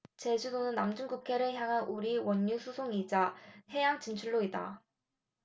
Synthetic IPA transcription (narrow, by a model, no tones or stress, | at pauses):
t͡ɕe̞d͡ʑudonɯnːamd͡ʑuŋɡukʰe̞ɾɯɭçjaŋɦanʔuɾiwʌɲːusʰusʰoŋid͡ʑahe̞jaŋt͡ɕint͡ɕʰuɭːoida̰